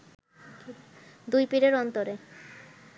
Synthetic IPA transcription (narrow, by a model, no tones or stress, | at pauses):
d̪ujpiɾeɾɔnt̪oɾe